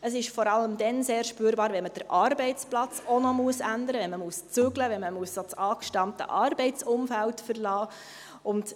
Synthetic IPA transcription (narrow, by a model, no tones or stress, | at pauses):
əsɪʃfɔɾɑlːəmd̪ɛnseːɾʃpyːɾbɑːɾʋɛnməd̥əɾʔɑːɾbɛɪt͡splɑt͡sonɔmuəsændəɾəʋɛnməmuəst͡sʏɡləʋɛnməmuəsot͡sɑːkʃtɑmtə̰ʔɑːɾbɛɪt͡sʊmfæltfəɾlɑː | ʊnd̥